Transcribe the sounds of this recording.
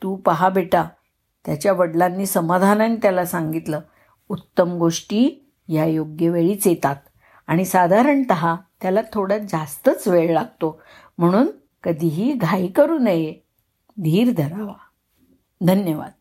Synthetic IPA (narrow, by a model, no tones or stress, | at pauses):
t̪uːpəɦabeʈa | t̪jat͡ɕjaʋəɽlanːiːsəmad̪ʱananit̪jalasãŋɡit̪ləː | ut̪ːəmɡoʂʈiː | jajoɡjəʋeɭiːt͡sjet̪at̪ | aɽ̃isad̪ʱaɾəɳt̪əɦat̪jalat̪ʰoɽad͡zast̪ət͡sʋeɭlaɡ̚t̪o | m̤əɽ̃uːn | kəd̪ʱiɦiːɡʱaikəɾuːnəje | d̪ʱiːɾd̪ʱəɾaʋa | d̪ʱənjəʋa̰d̪̥̚